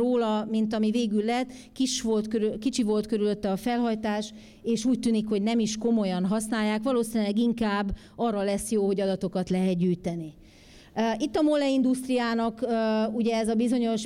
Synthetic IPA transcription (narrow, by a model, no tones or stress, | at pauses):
oːlɒmint̪ɒmiveːɡylːɛt̪ː | kiʃʋolt̪køkit͡ʃivo̞lt̪køɾyløt̪ːɛɒfɛlɦɒjt̪aːʃ | eːʃuːc̚t̪yːnikho̞ɟnɛmiʃko̞mo̞jɒnɦɒsnaːjːaːkʋɒloːsinylɛɡiŋkaːbː | ɒrːɒlɛsːjoːho̞ɟɒd̪ɒt̪o̞kɒt̪lɛɦɛt̪ɟyːjt̪ɛni | it̪ːɒmolɛind̪ust̪rijaːnɒkːuɟɛɛzɒbizo̞ɲo̞ʃ